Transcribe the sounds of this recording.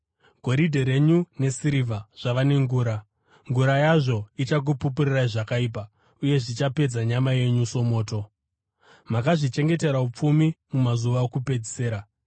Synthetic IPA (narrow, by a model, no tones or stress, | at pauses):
ɡ̥ʱo̞ɾidʱeɾe̞ɲune̞siɾivaʐ̥aʋane̞ŋɡuːɾa | ŋɡuɾajaʐo̞it͡ʃak̬upupuriraiʐakaiːp̬a | uje̞ʐit͡ʃape̞d͡zaɲamaje̞ɲuso̞mo̞ːto | makaʐit͡ʃe̞ŋɡe̞te̞ɾaup͡fumimumazuʋaokupe̞d͡zise̞ːɾa